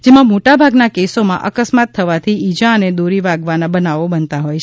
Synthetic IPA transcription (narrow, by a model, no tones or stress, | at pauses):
d͡ʒemãmoʈabʱaɡnakesomãʔə̰kəsmat̪ʰːəʋat̪ʰiid͡ʒaəned̪oɾiʋaɡʋanabənaʋobənt̪aɦojt͡ʃʰ